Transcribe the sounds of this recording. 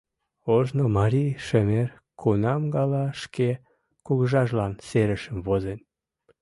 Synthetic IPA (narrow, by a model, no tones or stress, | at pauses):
oʒnomɑɾʲiʃemer | kʰunɑmɡɑlɑʃke | kuɣəʒɑʒlɑnseɾəʃə̆mvozen